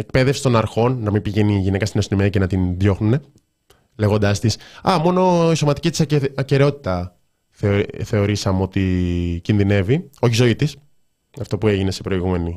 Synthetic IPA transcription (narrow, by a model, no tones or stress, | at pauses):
e̞k̚pe̞ðefsi̥st̪o̞nɐɾxo̞nːɐmibiʝe̞niʝinekɐst̪inosono̞miɐcenɐt̪inðjo̞xnune̞ | le̞ɣo̞nd̪ɐst̪isɐmo̞no̞iso̞mɐt̪i̥cit̪i̥sɐce̞ɾeo̞t̪i̥t̪ɐ | θeθe̞o̞ɾisɐmeo̞t̪icinðine̞vio̞çizo̞it̪is | ɐft̪o̞pue̞ʝine̞se̞pɾo̞iɣume̞ni